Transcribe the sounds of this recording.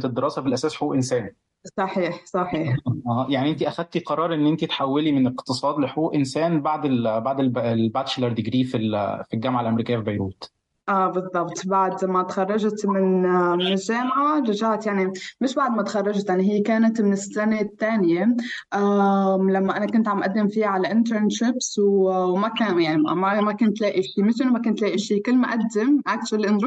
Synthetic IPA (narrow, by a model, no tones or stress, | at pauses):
t̪ed̪ːeɾɑːsæbelʔæsæːsħouːʔensæːn | sˤɑħiːħsˤɑħiːħʔæjaʕniʔent̪iʔæxæd̪̚t̪iqɑɾˤɑːɾˤʔenːʔent̪it̪ħawːelimeneqt̪ɨsˤɑːd̪leħoʔuːʔensæːnbaʕd̪elbaʕd̪ellbæt̪ʃelɑɾˤd̪eɡɾiːfilfilɡæmʕalʔæmeɾiːkɪjːæfibæjɾuːt̪ | ʔæːbɨzˤːɑbt̪baʕd̪mæt̪xɑrˤːɑʒt̪mɪnmɪnɪʒːaːmʕaɾˤɑʒaʕt̪jaʕnimɪʃbaʕd̪mæt̪xɑrˤːɑʒt̪jaʕniɦɪjːekaːnat̪mɪnɪstanet̪ːaːnjeʔæmlamːæʔanakʊnt̪ʕamʔad̪ːemfiːaʕalaʔɪnt̪əɾnʃɪbswwmækæjaʕnimæmækʊnt̪laːʔiʃiːmɪʃʔɪnːʊmækʊnt̪laːʔiʃiːkʊlːmaʔad̪ːɪmʔakʃalʔɪnɾ